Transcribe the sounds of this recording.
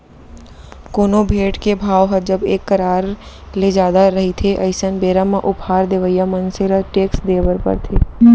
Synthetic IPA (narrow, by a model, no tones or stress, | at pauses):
koːnobʱeːʈkebʱaːoɦəd͡ʒəbeːkːəɾaːɾ | led͡ʒaːd̪aɾəɦit̪ʰeʔɐɪsənbeːɾamãʔʊpʰaːɾd̪eːʋəjamənsɪɾəʈeːksd̪eːbəɾpə̰ɾt̪ʰeː